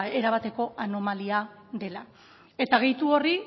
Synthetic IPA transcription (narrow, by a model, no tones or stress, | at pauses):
e̞ɾaβ̞at̪e̞ko̞ʔano̞malia | ðe̞la | e̞t̪aɣ̞e̞jt̪uori